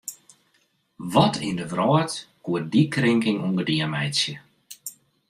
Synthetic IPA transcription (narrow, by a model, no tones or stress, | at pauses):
ʋɔtʰɪ̰ndəʋrɔːtkuət̚dikrɪŋkɪŋuŋɡədiəmɛjsjə